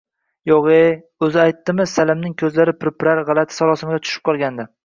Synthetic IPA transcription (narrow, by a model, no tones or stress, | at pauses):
joʁe | ɵzɪajt̪ːɪmɪsalɪmnɪŋkʲʰɵzlaɾɪpɾepɾaɾʁɑlˠat̪ʰɪ̥salˠɒsɪmɪɡʲat͡ʃ̪ʰʊ̥ʃɪ̥p̚qʰɒlˠɡʲand̪ɪ